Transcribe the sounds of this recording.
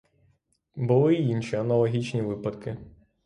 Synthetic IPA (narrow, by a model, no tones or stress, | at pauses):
bʊlˠɪinʃiɐnɐlˠɐɦʲit͡ʃnʲiʋɪpɐd̪kɪ